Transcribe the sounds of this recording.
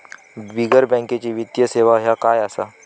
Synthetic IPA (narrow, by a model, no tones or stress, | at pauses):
biɡəɾbɛ̃ŋket͡ɕiːʋit̪jəseʋaɦjakajasa